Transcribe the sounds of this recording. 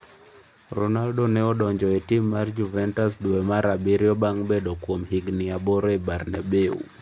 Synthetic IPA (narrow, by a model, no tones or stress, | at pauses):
ɾɔnaldɔnɛɔɗɔɲd͡ʒɔɛtimːaɾd͡ʒuvɛntas̬duɛmaɾabiɾiɔbaŋbɛɗɔkuɔmhiɡniabɔɾɔibaɾnabeṵ